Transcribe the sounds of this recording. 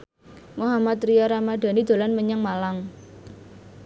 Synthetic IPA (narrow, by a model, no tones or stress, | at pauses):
moɦamat̪ɾiɔɾamaɖ̥a̤nid̪̥o̤lanməɲəŋmalaŋ